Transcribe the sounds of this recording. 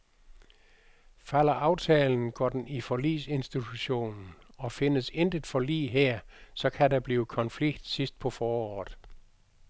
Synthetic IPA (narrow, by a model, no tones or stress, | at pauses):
fæl̰ɐʔɑ̈ʊt͡sʰɛːln̩ɡ̥ɒ̰ːd̥enifɒlḭːse̝nsd̥it͡sʰuɕo̝̰ːnn̩ɒ̽fe̝nəsend̥əd̥ˠfɒ̽lḭːɦeɐ̰sɒ̽kʰædab̥liːʊkʰɒ̽nfliɡ̥̚d̥sisd̥̚pʰɒ̽fɒːɒ̰ːð̩ˠ